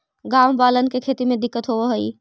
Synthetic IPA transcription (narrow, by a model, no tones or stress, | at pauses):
ɡaːmbaːlənkekʰeːt̪imẽd̪ɪkːət̪ɦoɦəḭ